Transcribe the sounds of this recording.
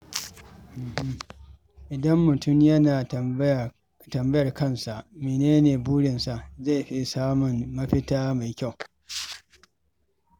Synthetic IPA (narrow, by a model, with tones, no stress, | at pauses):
ʔɪ˨dɐ˦mːʊ˨tʊ˦˨mjɐ˦naː˨ | tɐ˨mbɐ˦jɐ˨rkɐ˦nsa˨ʔmeː˨neː˦neː˨buː˦ɽɪ˨nsa˨ʔza˦˨jɸi˦saː˦mʊ˨nːɐ˦ɸɪ˦taː˦ma˨jkʲa˦˨w